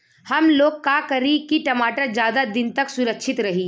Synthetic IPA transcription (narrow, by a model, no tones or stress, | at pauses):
hɐmloːɡ̚kakɐɾikiʈɐmaːʈəɾd͡ʒjaːd̪ad̪ɪnt̪ɐksʊɾəkʃʰɪt̪ɾɐɦiː